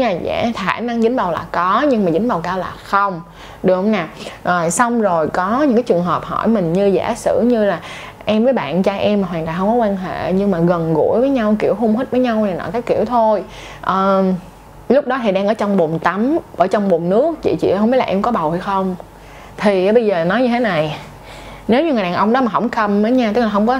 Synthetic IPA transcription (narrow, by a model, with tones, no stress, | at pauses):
ɲaː˧˩za̰˧˩xaː˧˩na˧ŋzɨ̈˨˦ŋ̟ɓa˨˩wlaː˨˩kɔ˨˦ɲɨ˧ŋmaː˨˩zï˨˦ŋɓa˨˩wkaː˧wlaː˨˩xə˧wŋ͡m | ɗɨ˨˩əhə˧wŋ͡mnaː˨˩əː˨˩jsa˧wŋ͡mzo˨˩jkɔ˨˦ɲɨ̰˧˥ŋkaː˨˦jt͡ɕɨ˨˩əŋɦəː˨˩p̚hɔ̰˧˩jmï˨˩ŋ̟ɲɨ˧zaː˧˩sɨ̰˧˥ɲɨ˧laː˨˩ | ʔɛ˧mvəː˨˦jɓa̰ː˧˨nt͡ɕaː˧ʔɛ˧maː˨˩ɦwaː˨˩nt̪aː˨˩ɦə˧ŋ͡mkɔ˨˦kwaː˧nɦḛ˧˨ɲɨ˧ŋmaː˨˩ɣə˨˩nɣṵ˧˥əjvəː˨˦jɲa˧wki˧˩əwɦʊ˧ŋ͡mɦi˦˥t̚vəː˨˦jɲa˧waː˨˩nɔ̰˧˨˩kaː˨˦jki˧˩əwt̪ʰo˧j | ʔəː˨˩ | lʊ˦˥k͡p̚ɗɔ˨˦t̪ʰi˨˩ɗaː˧ŋʔəː˧˦t͡ɕɔ˧wŋ͡mɓu˨˩mt̪a˨˦mʔə̰ː˧˩t͡ɕɔ˧wŋ͡mɓu˨˩ŋ͡mnɨ˦˥ək̚t͡ɕḭ˧˨t͡ɕḭ˧˨˧wŋ͡mmi˦˥tlaː˨ʔɛ˧mkɔ˨˦ɓa˨˩wha˧jxə˧wŋ͡m | t̪ʰi˨˩˨ɓə˧jzəː˨˩nɔ˨˦jɲɨ˧t̪ʰe˨˦na˨˩j | ne˨˦wɲɨ˧ŋɨ˨˩˨ɗaː˨˩ʔə˧wŋ͡mɗɔ˨˦maː˨˩ɦə̰˧˩wŋ͡mxə˧mːəː˨˦jɲaː˧t̪ɨ˦˥laː˨˩ɦə˧wŋ͡mkɔ˨˦